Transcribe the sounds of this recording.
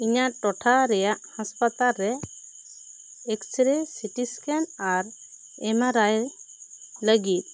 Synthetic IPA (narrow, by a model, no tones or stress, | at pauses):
iɲaʔʈɔʈʰaɾɛjaʔhaspat̪alɾɛ | ɛkt͡ʃɾesiʈiskɛnaɾ | ɛmaɾaj | ləɡit̪̚ˀ